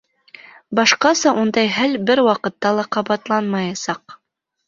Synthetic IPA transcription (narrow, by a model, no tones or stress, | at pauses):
bɑʃqɑsɑʔund̪ɑjɦælbɘɾwɑqɤ̆t̪ːɑlˠɑqɑβɑt̪lˠɑnmɑjɑsɑq